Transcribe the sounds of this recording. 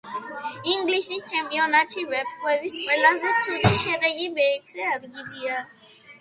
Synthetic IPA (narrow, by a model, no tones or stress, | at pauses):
iŋɡlisist͡ʃʰɛmpʼiɔnat͡ʃʰivɛbχwɛviskʼwɛlazɛt̪sʰud̪iʃɛd̪ɛɡibɛkʰsɛad̪ɡilia